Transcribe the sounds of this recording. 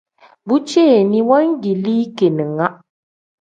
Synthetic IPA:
bu˦t͡ʃe˦˨ni˦wa˦ŋ˦ɡi˨liː˦ke˨nɨ˨ŋa˦

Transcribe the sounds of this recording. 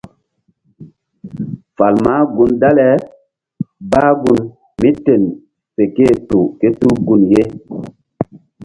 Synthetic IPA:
fa˨lma˦ɡu˦nda˦lɛ˨ | baː˦ɡu˦n | mi˦te˨n | pe˨ke˦˨tu˨ke˦tu˦ɡu˨nje˦

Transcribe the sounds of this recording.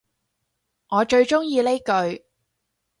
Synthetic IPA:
ŋɔː˨˧t͡ʃɵ˧ɥt͡ʃʊ˥ŋjiː˧le˥jkɵ˧ɥ

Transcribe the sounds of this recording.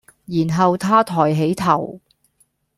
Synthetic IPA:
jiː˨˩nɦɐ˨wt̪ʰaː˥t̪ʰɔː˨˩jɦe˨˥jt̪ʰɐ˨˩w

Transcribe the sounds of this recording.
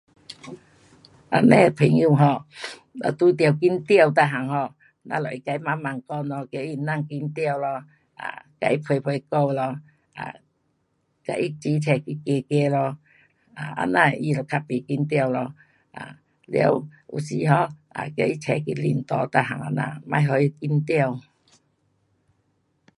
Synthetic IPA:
ʔa˧nɛ̃˧pʰi˨˩ŋju˧˨ɦɔ˧a̰˨˧t̪u˧t̪jə˧˩wki˧˥nt̪jə˧˨wt̪̬a˧˨ɦa˨ŋhɔ˧˨ | nã̰˧lɔ˨˩˨i˧ka˧i˦ma˧˦ma˨ŋkɔ˧lɔ˧ke˧˦i˧˨˧na˥˧˨ŋki˧nt̪jə˥˧˨wlɔ˧ | a̰˧˨ka̰˧i˦pʰwe˧jpʰwe˧ko˥˧˨lɔ˧ | a̰˨ | ka̰˧ʔi˦t͡ɕi˧˦t͡ɕʰɛ˨˩ki˧˩ke˧ke˧lɔ˧ | a˨˩a̰˧nã˧i˧lɔ˨˩kʰa˧pi˨ki˧˦nt̪̬jə˧˨wlɔ˧ | a̰˨ | ljḭ˧˦wṵ˨˩si˧ɦɔ˧˦a̰˨kja˧˦ʔi˦t͡ɕʰɛ˨˩ki˧˩li˨˩nt̪ɔ˨˧˦t̪a˧˨ɦa̰˨ŋa̰˧nã̰˧˨mã˧˦jɦɔ˧i˦˧ki˧nt̪jə˧˨w

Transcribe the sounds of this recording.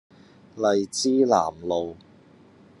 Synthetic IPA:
lɐ˨jt͡siː˥la̰ː˨˩mlo˨w

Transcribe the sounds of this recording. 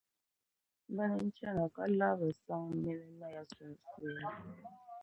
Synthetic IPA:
m˦ba˦nɛ˦n̩˦t͡ʃa˦˨na˨ka˦la˦βɛ˨sa˦ŋ˦mɛ˦nɛ˦na˦ja˦sɛ˨n˨si˦a˦

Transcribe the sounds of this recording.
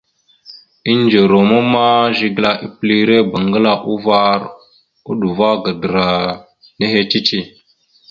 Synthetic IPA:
i˦n˦d͡ʒo˨ɾo˨ma˦ma˦ʒi˦ɡla˦ʔi˦pli˦ɾe˦ba˨ŋɡə˦la˦ʔu˦va˦ɾ | u˦ɗu˨va˦ɡa˨də˨ɾa˨ | ne˦ɦe˦t͡ʃi˦t͡ʃi˦

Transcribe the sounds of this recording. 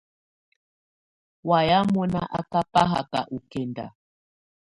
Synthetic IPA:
wa˨ja˦mɔ˦na˦ʔa˦ka˦pa˦ɦa˨ka̰˨ʔu˨kɛ˨nda̰˨

